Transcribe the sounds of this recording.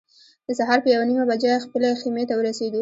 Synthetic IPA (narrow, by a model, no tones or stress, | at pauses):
d̪̥əsaɦɑɾpəjawanimabad͡ʒaxpəleximet̪awəɾaseɡi